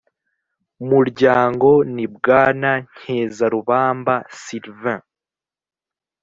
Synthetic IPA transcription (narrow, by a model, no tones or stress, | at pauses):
muɾɟaːŋɡo̞nib̚ɡaːnaɲ̥heːzaɾuβaːmbasiɾvã